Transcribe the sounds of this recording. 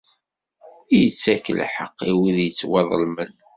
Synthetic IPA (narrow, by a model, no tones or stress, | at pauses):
ijət͡sːækːə̰lħə̰qːiwiðjət͡sːwɑðˤəlmən